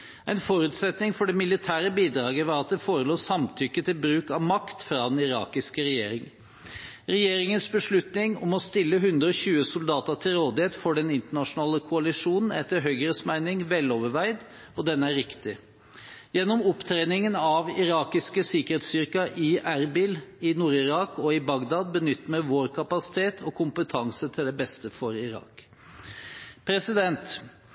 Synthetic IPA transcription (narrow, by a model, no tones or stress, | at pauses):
æɪnfɔɾʉːt̪sɛt̪nɪŋfɔɖɛmɪlɪt̪ʰæːɾəbiːd̪ɾɑːɡəʋɑɾɑt̪̚d̪ɛfoːɾəloːsɑmt̪ʰʏkːət̪ʰɪlbɾʉːkɑʋmɑkt̪fɾɑːd̪ɛnɪɾɑ̰ːkɪskəɾɛjeːɾɪŋ | ɾɛjeːɾɪŋənsbəʂɭʉt̪nɪŋɔmɔst̪ɪlːəɦʉnd̪ɾəɔɕʉːəsʊld̪ɑːt̪ət̪ʰɪlɾoːd̪ɪheːt̪fɔɖɛnɪnt̪əɳɑʂʊnɑːləkʰʊɑlɪʂuːnn̩ɛt̪ːəɾɦœʏɡəɾəsmæɪnɪŋʋɛlːoːʋəʋæɪd̪ | ɔd̪ɛnːəæɾɪkt̪ɪ | jɛnːɔmʊpt̪ʰɾeːnɪŋənɑʋɪɾɑːkɪskəsɪkəɾheːt̪st̪ʏɾkɑʔɪʔæɾbɪlɪnuːɾɪɾɑːkɔɪbɑɡd̪ɑːd̪̚bənʏt̪ːəmɛʋoːɾkʰɑpɑsɪ̥t̪ʰeːt̪ʰɔkʰʊmpət̪ʰɑŋsət̪ʰɪld̪ɛbɛst̪əfɔɾɪɾɑ̰ːk | pʰɾɛsɪd̪ɛnt̪